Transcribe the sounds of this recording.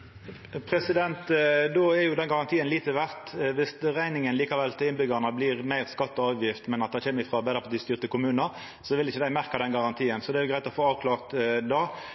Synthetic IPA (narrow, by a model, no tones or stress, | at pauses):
pʰʁɛsɪd̪ɛnt̪d̪oːɛʁjʊd̪ɛnɡɑʁɑnt̪ʰiːənliːt̪əʋæʁt̪ʋɪsʁæɪnɪŋənliːkɑʋɛlt̪ɪlɪnbʏɡɑʁnɑbliʁmæɪʁskɑt̪ːɔɑːʋjɪft̪mɛnɑt̪d̪æɪçɛːmːəʁɪfɾɑːbɛːd̪əfɔd̪ɪst̪yːʁt̪əkʊmʉːnəɾ | sɔʋɪlɪçːəd̪æɪmæʁkɑd̪ɛnɡɑʁɑnt̪ʰiːənsɔd̪ɛæɾjʊɡɾæɪt̪ɔfoːɑːʋkʰlɑːʁt̪d̪ɑː